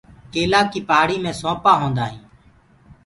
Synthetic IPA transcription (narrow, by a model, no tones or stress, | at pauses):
keːlaːkiːpaːɽiːmẽːsõːpaːɦõːnd̪aːɦĩː